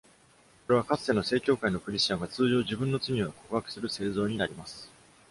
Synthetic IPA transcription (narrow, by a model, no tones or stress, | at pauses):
ko̞ɾe̞β̞akat͡sɨ̥t̪eno̞se̞ːkʲo̞ːkaino̞kɯ̟ɾʲiɕt͡ɕãŋɡat͡sɨːʑo̞ːʑibɯ̟̃nːo̞t͡sɨɲ̟ʲiβako̞̥kɯ̟hakɯ̟̥sɨɾɯ̟se̞ːzo̞ːɲ̟inaɾʲimasɨ̥